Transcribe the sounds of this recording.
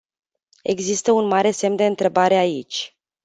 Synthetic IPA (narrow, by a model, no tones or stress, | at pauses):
e̞̰ɡzist̪əunmaɾe̞se̞md̪e̞ɨnt̪ɾe̞baɾe̞ait͡ʃʲ